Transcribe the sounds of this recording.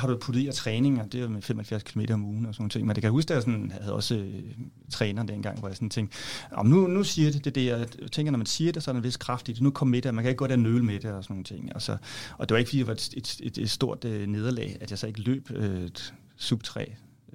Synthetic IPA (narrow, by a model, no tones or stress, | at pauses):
hɑ̈ɾuæpʰud̥̩ˠinɐt͡sʰʁɛːne̝ŋɒd̥e̝ɑmefem̰ɒhelfjæɐ̰skʰilome̝ːɾɐɒ̽muːn̩ɒsɔno̝ːn̩t͡sʰe̝ŋ̰mend̥ekæjhusɡ̥d̥easɔnhhæð̩ˠɒ̽s | t͡sʰʁɛːnɐːd̥enɡ̥ɑ̈ŋ̰ʋɒjɑ̈ɪsɒ̽nt͡sʰeŋ̰ɡ̥d̥ɒmnunusiːɐd̥e̝d̥e̝d̥e̝jæt͡sʰeŋ̰ɡɐnɒ̽mænsiːɐd̥e̝sɒ̽ɾenʋe̝skʰʁɑ̈fd̥id̥enukʰɒ̽m̰ːmed̥emænkʰæe̝ɡ̥̚ɡ̥d̥eɐnøːlmed̥eɒsɒnːo̝ːn̩ət͡sʰe̝ŋ̰ælsɒʔɒ̽d̥eʋɑeɡ̥fɒd̥ḭːdeʋɑ̈d̥e̝d̥ed̥e̥sd̥o̝ɐ̰d̥øne̝ːð̞ˠɐlɛ̰ɪæd̥jɑ̈sɒe̝ɡ̥əlø̰ːb̥ø | sub̥̚t͡sʰʁɛ̰ː